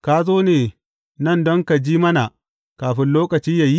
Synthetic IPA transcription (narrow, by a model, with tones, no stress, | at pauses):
kaː˦zoː˦neː˨ | nɐ˦˨ndɔ˦ŋka˨d͡ʒiː˦mɐ˦na˨ | kaː˨ɸɪ˦nloː˦kɐ˨t͡ʃiː˦ja˨ji˦